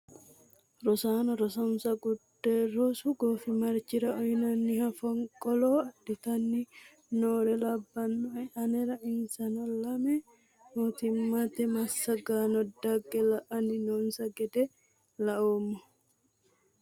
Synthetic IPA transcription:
ɾɔsaːnɐɾɔsɐmsɐɡʊdːeɾɔsuɡoːfimɐɾt͡ʃɪɾɐʔɔjnɐnːihɐfɐŋkʼɔlɔɐdːɪt̪ɐnːi | noːɾɛlɐbːɐnːɔɛʔɐnɛɾɐʔɪnsɐnɐlɐmɛ | not̪ɪmːɐt̪ɛmɐsːɐɡaːnɔd̪ɐɡɛlɐʔɐnɪnoːnsɐɡɛd̪ɛ | lɐʔoːmːɔ

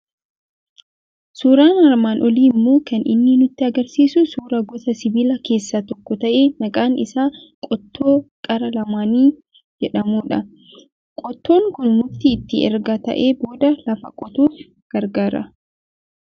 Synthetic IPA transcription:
suːɾaːnɐɾmaːnʔɔliːmːoːkɐnʔɪ̰nːɪnʊt̪ːɪɐɡɐɾsiːsʊsuːɾɐɡɔt̪ɐsɪbiːlɐke̞ːsːɐt̪ɔkːɔt̪ɐʔeːnɐkʼaːnɪ̰saː | kʼɔt̪ːo̞ːkʼɐɾɐlɐmaːniː | d͡ʒɛᶑɐmuːᶑɐ | kʼɔt̪ːo̞ːŋkʊnmʊɾt̪iːt̪ːɪɛ̰ɾɡɐt̪ɐ̰ʔeːbo̞ːd̪ɐlɐfɐkʼɔt̪uːf | ɡ̥ɐɾɡaːɾɐ̰

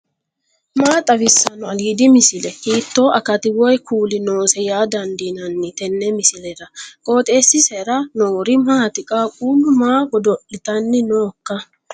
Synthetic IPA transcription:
maːt̪ʼɐbɪsːɐnʊɐliːd̪ɪmɪsɪlɛkiːt̪ːo̞ːʔɐkɐt̪ɪwɔjkʰuːlɪno̞ːsɛjaːd̪ɐnd̪inɐnːɪt̪ɛnːɛmɪsɪlɛɾɐkʼo̞ːt̪ʼe̞ːsːɪsɛɾɐnoːɾɪmaːt̪ɪkʼaːkʼuːlːʊmaːɡɔd̪ɔʔɪt̪ɐnːɪnoːkːɐ

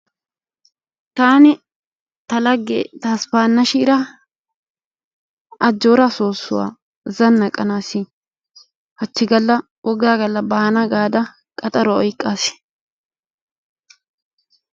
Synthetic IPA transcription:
t̪aːnɪ | t̪ɐlɐɡːɛ̰t̪aːspaːnːɐʃɪːɾɐ | ɐd͡ʒːoːɾasoːsːʊwa̰ː | zɐnːɐkʼːɐnaːsi | hɐt͡ʃːɪɡɐlːɐ | wʔɔɡaːɡɐlːɐbaːnɐɡaːd̪ɐ | kʼɐt̪ʼɐɾɔɔjkʼːaːsɪ̥

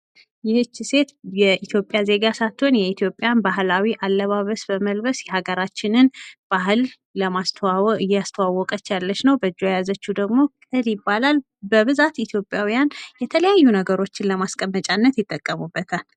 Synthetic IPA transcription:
jɪhɨt͡ʃːɪse̞t̪jɛʔit̪ʰjo̞pʼːjaze̞ɡasat̪ːonjɛit̪ʰjo̞pʼːjanbaɦlawiʔalːəβaβəsbəməlbəsjɛhaɡəɾat͡ʃːɪnɨnb̥aɦɨlː | əmast̪ʰɨjːɛast̪ʰəwawːɔkʼət͡ʃːjalːət͡ʃnəwbəd͡ʒːojazət͡ʃːud̪əɡmo̞kʼɨljɪbːalal | bəβɨzat̪it̪ʰjo̞pʼjawijanjɛt̪ʰələjajːunəɡəɾo̞t͡ʃːɪnləmaskʼəmːət͡ʃʼanːət̪jɪt̪ʼːəkʼːəmubːət̪ʰal

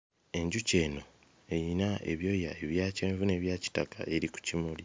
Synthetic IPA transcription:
e̞ɲɟuce̞ːno̞ | e̞jinae̞̰βjo̞ːja̰eβjaːceːɱvune̞βjaːci̥takʰa̰ʔe̞ɾiku̥cimuli

